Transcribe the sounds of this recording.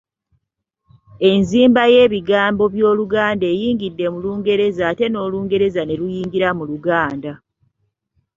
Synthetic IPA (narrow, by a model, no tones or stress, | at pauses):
e̞nziːmbaje̞ːβiɡaːmbo̞βjo̞ːluɡaːnde̞ːjiːŋɡidːe̞muluːŋɡe̞ɾe̞zaːte̞no̞ːluːŋɡe̞ɾe̞zane̞ɾujiːŋɡiɾamuluɡaːnda